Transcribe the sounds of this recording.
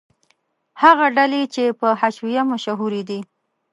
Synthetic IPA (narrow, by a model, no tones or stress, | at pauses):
haɣaɖalet͡ʃepəhaʃwijamaʃaɦuɾid̪i